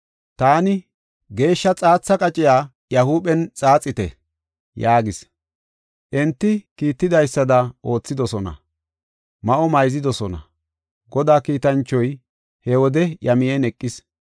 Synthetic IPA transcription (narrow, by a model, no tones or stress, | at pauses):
t̪aːnɪ | ɡe̞ːʃːɐt͡sʼaːt͡sːɐkʼɐt͡ʃʼɪjaː | jɐhuːɓɛnt͡sʼaːt͡sʼːɪt̪ɛ̰ | jaːɡɪs | ʔɛnt̪ːɪkiːt̪ːɪd̪ɐjsːɐd̪ɐʔo̞ːt͡sːɪd̪ɔsɔnɐ̰ | mɐʔɔmɐjzɪd̪ɔsɔnɐ̰ | ɡɔd̪aːkiːt̪ɐnt͡ʃːɔj | hɛwɔd̪ɛjɐmɪjɛnɛkʼːɪs